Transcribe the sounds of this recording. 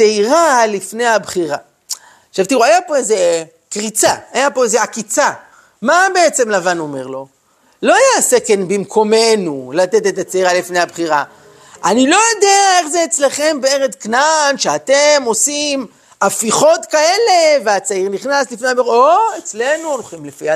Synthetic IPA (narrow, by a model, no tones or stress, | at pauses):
eiʁalifne̞jhabχiʁa̰ | ʃevt̪iʁuajapo̞eze | kʁit͡saajapo̞ezeakit͡sa | mabe̞et͡se̞mlavanome̞̰ʁlo̞ | lo̞ajasekenbimkʰo̞me̞nulat̪et̪et̪at͡saiʁalifnehabχiʁa | anilo̞jod̪eae̞χzeːt͡sleχe̞mbeeʁet͡sknanʃeat̪e̞mo̞sim | afiχo̞t̪kae̞leveat͡saiʁniχnaslifneaboet͡sle̞nunoχimlefia